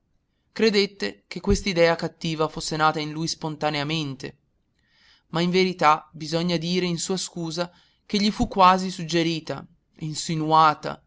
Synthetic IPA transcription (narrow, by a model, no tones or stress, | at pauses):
kɾed̪et̪ːekekːwest̪aid̪ɛːakat̪ːiːvafosːenaːt̪ainlujspont̪aneament̪e | maiɱveɾit̪abizɔɲːad̪iːɾeinsuːaskuːza | k̟eʎːifukːwaːzisud͡ʒːeɾiːt̪a̰ | insinuaːt̪a̰